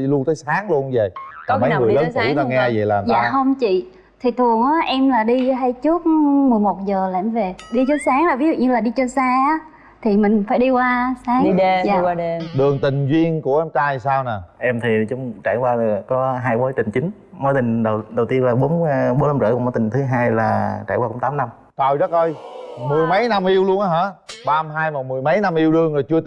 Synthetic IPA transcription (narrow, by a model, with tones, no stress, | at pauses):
lu˧ənt̪əː˨˦jsaː˨˦ŋlu˧ənzə˨˩jkɔ˨˦a˨˦˨ɨ˨˩˨ləː˨˦na˨˧˦t̪a˧ŋɛ˧zə˨˩jlaː˨˩mja̰ː˧˨hə˧wŋ͡mt͡ɕḭ˧˨ | t̪ʰi˨˩t̪ʰɨ˨˩əŋʔaː˨˦ʔɛ˧mlaː˨˩ɗi˧ɦa˧jt͡ɕɨ˦˥ət̚mɨ˨˩əjmo˨˩t̚zəː˨˩la˨˧˨mve˨˩ɗi˧t͡ɕɔ˨˦saː˨˦ŋlaː˨˩vi˨˦zṵ˧˨ɲɨ˧laː˨˩ɗi˧t͡ɕɔ˧saː˧aː˨˦ | t̪ʰi˨˩mï˨˩ŋ̟faː˧˩jɗi˧kwaː˧saː˨˦ŋ˧aː˧˨˧ɗɨ˨˩əŋt̪ï˨˩ŋ̟zi˧ənku˧˩əʔɛ˧mt͡ɕaː˧jsaː˧wna˨˩ʔɛ˧mt̪ʰi˨˩t͡ɕʊ˧˨˦ŋ͡mt͡ɕa̰ː˧˩jkwaː˧˨˩kɔ˨˦ɦaː˧jɓo˨˦jt͡ɕï˨˩ŋ̟t͡ɕï˨˦ŋ̟ | mo˨˦jt̪ï˨˩ŋ̟ɗə˨˩wɗə˨˩wt̪i˧ənlaː˨˩ɓo˨˦nɓo˨˦na˧mzə̰ː˧˩kʊ˧˩mː˨˦jt̪ï˨˩ŋ̟t̪ʰɨ˨˦ɦaː˧jlaː˨˩t͡ɕa̰ː˧˩jwa˧ʊ˧˩˦ŋ͡mt̪aː˨˦mna˧m | t̪ə˨˩jzə˦˥t̚ʔəː˧jmɨ˨˩əjmə˨˦jna˧mʔi˧əwlu˧ə˧ŋaː˨˧˦ɦaː˨˦˥ɓaː˧mɦaː˧jmɔ˨˩mɨ˨˩əjmə˨˦jna˧mʔi˧əwɗɨ˧˩əŋə˨˩jt͡ɕɨ˧ə